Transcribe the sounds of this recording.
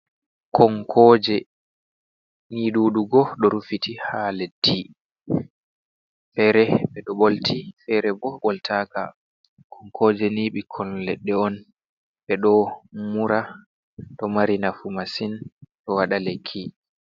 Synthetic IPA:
kʰɔŋkʰɔːd͡ʒɛ | niːɗuːɗuɡɔɗɔɾufitihaledi | fɛɾɛɓɛɗɔɓoltʰifɛɾɛbɔɓɔltʰaːka̰ | kʰɔŋkʰɔːd͡ʒɛniːɓikʰɔllɛɗːɛɔn | ɓɛɗɔmuɾa | ɗɔmaɾinafumasinɗɔwaɗalekʰːi

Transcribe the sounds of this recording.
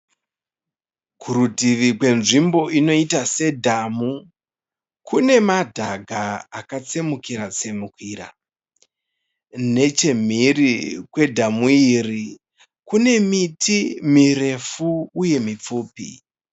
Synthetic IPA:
kʰuɾudʱiʋikwe̞nʐimbo̞ʔino̞itase̞dʱamu | kune̞madʱaɡʱaakat͡semukiɾat͡se̞mukiɾa̰ | ne̞t͡ʃe̞m̤irikwe̞dʱamuiri | kune̞mitimire̞fuːje̞mip͡fuːpḭ

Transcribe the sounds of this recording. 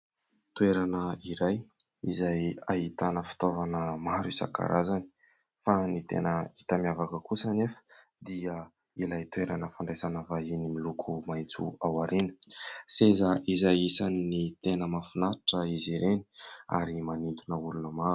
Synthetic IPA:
t̪weɾanəiɾaj | izajaɦit̪anəfi̥t̪ovanəmaɾusa̰ka̰ɾʔazani̥ | fanit̪ḛnəit̪əmiavakəkusənefə̥ | d̪iə | ilajt̪weɾanəfaɳɖ͡ʐezanəvainimilukʰumajnt͡sṵawaɾinə̥sezəʔizajisaninit̪enəmafunaʈ͡ʂəiziɾeni̥a̰ɾimanint̪unəulunəmaɾu̥

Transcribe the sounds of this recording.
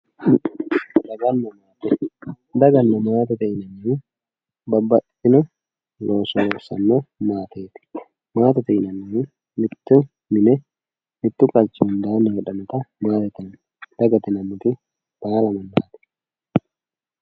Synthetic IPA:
d̪ɐɡɐnːɐmaːt̪ɪ | d̪ɐɡɐnːɐmaːt̪ɐt̪ɛɪnɐniː | bɐbːɐ | ɪnʊ | loːsɔlɔɾsɐnːomaːt̪eːt̪ɪ̥ | maːt̪ɐt̪ɛɪnɐnːi | mɪt̪ːʊ | mɪnɛ | mɪt̪ːʊkʼɐlt͡ʃːɪhʊnd̪aːnɐjɛᶑɐmɐt̪ɐmaːt̪ɐt̪ɪn | d̪̥ɐɡɐt̪ɪnɐmːʊt̪ɪ | b̪̥aːlɐmɐnd̪aːt̪ɛ̥

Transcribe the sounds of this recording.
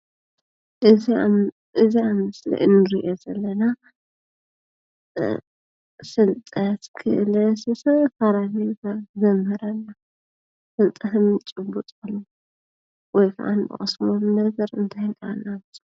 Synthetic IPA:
ʔɨzi | ʔɨziamɨslḭʔɨnɨɾḭʔozɐlːɐna | sɨlt̪ʼɐt̪kʰɨ̰ʔlɐsɨsɐfaɾaβijkazɐmːɨɾɐnːa | fɨlt̪ʼɐɦɨmɨt͡ʃʼɨbut̪ʼkolːu | wɔjkɨ̰ʔa̰nbɨ̰χʼɐsmomnɐɡɐɾɨnt̪ʰajnanaβt̪ʼ

